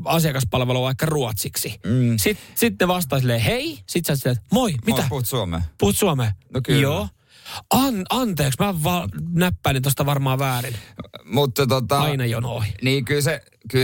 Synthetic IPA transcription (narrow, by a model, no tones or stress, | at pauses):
ɑsiɑkɑspɑlʋeluʋɑikːɑruot̪siksisit̪sit̪neʋɑst̪ɑːsilːeːheisit̪sɑt̪silːeːt̪moimit̪æput̪suomḛːpuhut̪suomeːnokjoː | ɑnɑnt̪eːksmæʋɑnæpːæilint̪ost̪ɑʋɑrmɑːʋæːrinmut̪ːɑt̪ot̪ɑɑinɑjonoiniːkylse | ky